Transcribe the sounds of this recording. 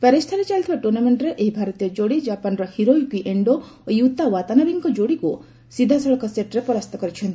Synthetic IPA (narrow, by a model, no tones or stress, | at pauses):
pɛɾist̪ʰaɾit͡ʃaɭt̪ʰibaʈuɾnameɳʈɾeʔeɦibʱaɾɔt̪ijɔd͡ʒoɽid͡ʒapanɾɔhiɾojukiʔeɳɖo | ojut̪ːawat̪anabiŋkɔd͡ʒoɽiku | sid̪ʱasɔɭɔkɔseʈɾepɔɾast̪ʰɔkɔɾit͡ʃʰɔnt̪i̥